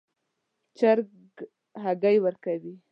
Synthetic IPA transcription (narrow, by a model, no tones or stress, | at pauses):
t͡ʃaɾ | ɡ | haɡajwəɾkawi